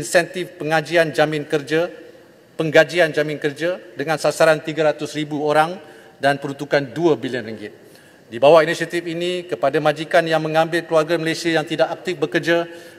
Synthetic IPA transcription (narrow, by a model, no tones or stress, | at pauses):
insɛnt̪ɪfpəŋad͡ʒiand͡ʒamɪ̃nkərd͡ʒa | pəŋɡad͡ʒiand͡ʒamɪ̃nkərd͡ʒadəŋãnsasaɾant̪iɡaɾat̪ʊsribuoɾaŋ | danpəɾunt̪ukanduabiliənriŋɡɪt̪̚ | dibawaʔinisat̪ɪfinikəpadamãd͡ʒikanjaŋmə̃ŋãmbɪlkəluarɡaməlesiajaŋt̪idaʔak̚t̪ɪfbəkərd͡ʒa